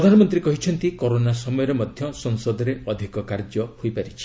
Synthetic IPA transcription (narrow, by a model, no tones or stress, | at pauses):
ɾɔd̪ʱanɔmɔnt̪ɾikɔɦit͡ʃʰɔnt̪ikoɾonasɔmɔjɔɾemɔd̪ʱjɔsɔŋsɔd̪ɔɾeɔd̪ʱikɔkaɾd͡ʒɔhojpaɾit͡ʃʰi̥